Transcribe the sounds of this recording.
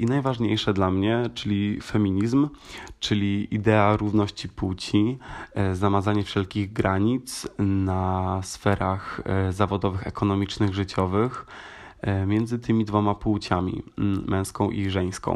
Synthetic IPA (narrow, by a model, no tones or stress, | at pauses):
inajvaʐɲejʂɛd̪lamɲɛt͡ʂɘlʲifɛmʲiɲizm | t͡ʂɘlʲiʔid̪ɛaɾuvnɔɕt͡ɕiput͡ɕi | zamad̪zaɲɛfʂɛlkʲiɣɡɾaɲit̪snasfɛɾaxzavɔd̪ɔvɘxɛ̰kɔnɔmʲit͡ʂnɘɣʐɘt͡ɕɔvɘx | mʲjɛnd̪zɘt̪ʰɘmʲid̪vɔmapuwt͡ɕamʲḭmʔɛ̃w̃skɔ̃w̃ʔiʐɛj̃skɔ̰̃w̃